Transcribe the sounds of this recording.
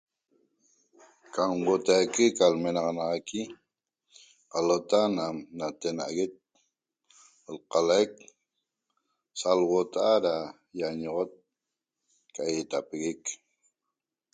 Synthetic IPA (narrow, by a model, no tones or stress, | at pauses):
kamwot̪ajkekalme̞nɑʁɑnɑʁɑki | qalot̪anamnat̪enaʔaɣe̞t̪̚ | lqɑlaek | salwot̪aʔaɾa | jaɲoʁot̪̚ | kaet̪apeɣek